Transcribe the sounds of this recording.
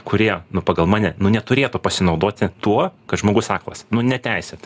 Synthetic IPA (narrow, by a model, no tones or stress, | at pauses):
kʊɾʲiɛnʊpɑːɡɐlˠmɑːnʲɛnʊnʲɛt̪ʊɾʲeːt̪ʊpɐsʲɪnɐʊd̪oːt̪ʲɪt̪uɔkɐt̪ʒmoːɡʊsɑːklɐ̰snʊnʲɛt̪ʲæɪsʲɛt̪